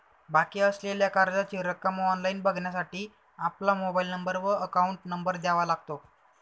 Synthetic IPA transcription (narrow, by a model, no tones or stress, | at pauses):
bakiːəsleljakaɾd͡zat͡ɕiɾəkːəmɔnlainbəɡʱɳjasaʈiː | aplamobailnəmbəɾʋəəkauɳʈnəmbəɾd̪jaʋalaɡ̚t̪o